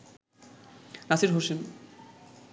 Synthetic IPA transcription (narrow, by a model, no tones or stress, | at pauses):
nasiɾɦoʃen